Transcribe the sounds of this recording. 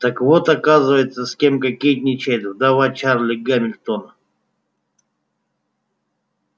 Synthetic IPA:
t̪akvot̪ɐkazɨvəjɪt̪səsʲkʲemkɐkʲejt̪̚ʲnʲɪt͡ɕejd̪ɨd̪ɐvat͡ʃaɾlʲɪɡamʲɪlʲt̪onə

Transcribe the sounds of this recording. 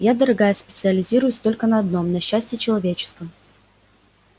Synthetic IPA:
jad̪əɾɐɡajəspʲɪt̪sɨɐlʲɪzʲiɾʊjʊsʲt̪o̞lʲkənɐɐd̪no̞mnɐɕːæsʲtʲɪjɪt͡ɕɪlˠɐvʲet͡ɕɪ̥skəm

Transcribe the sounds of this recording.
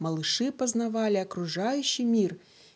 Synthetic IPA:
mɐlˠɨʂɨpɐznavalʲɪɐkɾuʐajʉɕːijmʲir

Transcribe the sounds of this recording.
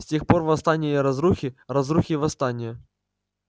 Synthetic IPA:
sʲtʲexpo̞rvɐst̪anʲɪjiɾɐzɾuxʲɪrɐzruxʲɪvɐst̪anʲɪjə

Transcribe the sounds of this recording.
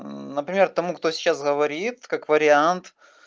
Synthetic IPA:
nəpɾʲɪmʲert̪ɐmukt̪o̞sʲɪ̥t͡ɕːasɣəvɐɾʲit̪kakvəɾʲɪant̪

